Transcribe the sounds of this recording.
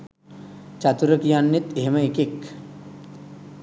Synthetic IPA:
t͡ʃat̪uɾəkijanːit̪eɦemɐekek

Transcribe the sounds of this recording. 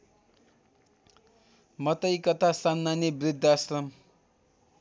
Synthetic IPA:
mʌt̪ʌjkʌt̪ʰasanmanibrid̪ʱːasrʌm

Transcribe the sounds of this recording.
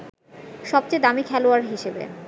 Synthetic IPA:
ʃɔb̚t͡ɕejd̪amikʰɛloaɾɦiʃebḛ

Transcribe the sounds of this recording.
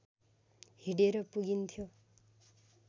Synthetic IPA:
hiɽeɾʌpuɡint̪ʰjo

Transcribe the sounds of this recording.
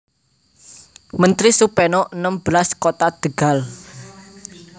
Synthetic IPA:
mənt̪ɾisupɛnɔʔənəmb̥laskot̪ad̪̥ə̤ɡ̥a̤l

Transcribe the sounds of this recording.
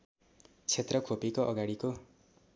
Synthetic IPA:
t͡sʰet̪rʌkʰopekoʔʌɡaɽiko

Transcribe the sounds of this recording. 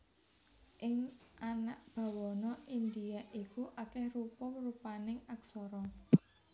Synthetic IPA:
ʔɪŋanaʔb̥a̤wɔnɔʔind̪iaʔikuʔakɛhrupʊrupanɪŋaksɔɾɔ

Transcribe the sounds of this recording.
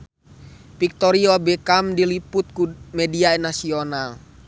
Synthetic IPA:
pik̚t̪ɔɾiobɛkamdiliput̪̚kumɛdiaɛnasional

